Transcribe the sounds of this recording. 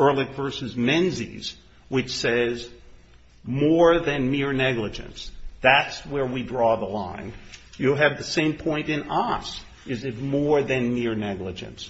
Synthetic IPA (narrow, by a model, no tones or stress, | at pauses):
ɜ˞lˠɨkv̥ɜ˞sɨzmɛ̃nzḭz̥ | wɨt͡ʃsɛz | mɔɹðɨ̃nmɪɹnɛɡlɨd͡ʒɨ̰̃nsðætswə˞widɹɔðəlã̰ɪ̃njɨɨvðɨsẽɪ̃mpʰɔ̃ɪ̃ntɨ̃nʌs | ɨzɨt̚mɔɹðɨ̃nmɪɹnɛɡləd͡ʒɨ̰̃ns